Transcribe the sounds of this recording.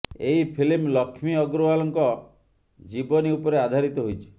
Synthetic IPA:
eɦipʰilimlɔkʰmiɔɡɾuwalɔŋkɔ | d͡ʒibɔniupɔɾead̪ʱaɾit̪ɔɦojt͡ʃʰi̥

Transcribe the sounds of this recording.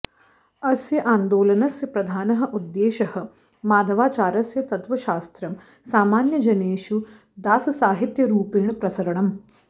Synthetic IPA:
ɐsjɐʔaːnd̪oːlɐnɐsjɐpɾɐd̪ʱaːnɐɦɐ̆ʔud̪ːeːʃɐhɐ̆ | maːd̪ʱɐʋaːt͡ʃaːɾɐsjɐt̪ɐt̪ʋɐʃaːst̪ɾɐm | saːmaːnjɐd͡ʒɐneːʃu | d̪aːsɐsaːɦit̪jɐɾuːpeːɳpɾɐsɐɾɐɳɐm

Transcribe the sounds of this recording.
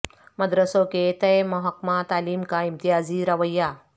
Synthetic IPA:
mɐd̪ɾəsõket̪ɐjmɐɦɐkmat̪aːliːmkaimt̪ijaːziɾɐʋəjːa

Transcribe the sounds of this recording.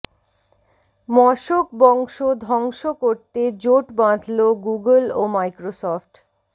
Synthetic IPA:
mɔʃokbɔŋʃod̪ʱɔŋʃokoɾt̪ed͡ʑoʈbãd̪ʱloɡuɡəlomajkɾosɔfʈ

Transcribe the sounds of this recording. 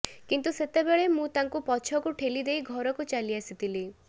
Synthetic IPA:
kint̪uset̪ebeɭemũt̪aŋkupɔt͡ʃʰɔkuʈʰelid̪ejɡʱɔɾɔkut͡ʃaliasit̪ili

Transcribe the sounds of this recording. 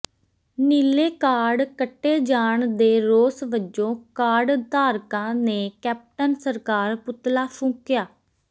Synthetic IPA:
niːleːkaːɖkəʈːeːd͡ʒaːɳd̪eːɾoːsʋəd͡ʒõːkaːɖt̪aːɾkãːneːkɛːp̚ʈənsəɾkaːɾpʊt̪laːpʰʊ̃ːkjaː

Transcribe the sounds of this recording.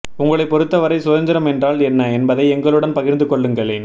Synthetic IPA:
ʊŋɡɐɭɐɪpːɔɾɯt̪ːɐʋɐɾɐɪsʊðɐnd̪ɪɾɐmɛndraːlɛnːɐɛnbɐðɐɪɛŋɡɐɭɯɽɐnpɐɣɪɾnd̪ɯkɔɭːɯŋɡɐɭeːn

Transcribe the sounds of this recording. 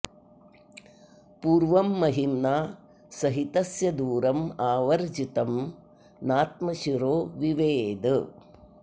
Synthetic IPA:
puːɾʋɐmːɐɦimnaː | sɐɦit̪ɐsjɐd̪uːɾɐmaːʋɐɾd͡ʒit̪ɐm | naːt̪̚mɐʃiɾoːʋiʋeːd̪ɐ

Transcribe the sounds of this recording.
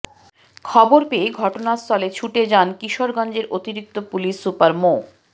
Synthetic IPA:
kʰɔboɾpeeɡʱɔʈonast̪ʰɔlet͡ɕʰuʈed͡ʑankiʃoɾɡɔnd͡ʑeɾʔot̪iɾik̚t̪opuliʃsupaɾmo

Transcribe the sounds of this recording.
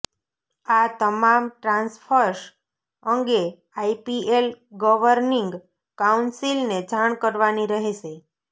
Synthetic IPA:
at̪əmamʈɾãnsfʰəɾʃ | əŋɡe | aipielɡɔʋəɾniŋɡ | kaunsilned͡ʒaɳ̃kəɾʋaniɾəɦeʃe

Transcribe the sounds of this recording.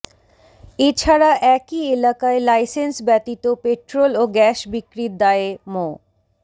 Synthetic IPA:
et͡ɕʰaɾaʔɛkielakaelajsensbɛt̪it̪opeʈɾoloɡɛʃbikɾid̪aeemo

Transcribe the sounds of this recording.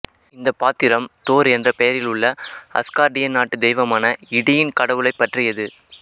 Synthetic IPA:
ɪnd̪ɐpaːt̪ɪɾɐmt̪oːɾɛndrɐpɛjɐɾɪlʊɭːɐɐ̰skaːɾɖɪjɐnaːʈːɯd̪ɛjʋɐmaːnɐɪɽɪjɪnkɐɽɐʋɯɭɐɪpːɐʈrɪjɐðɯ

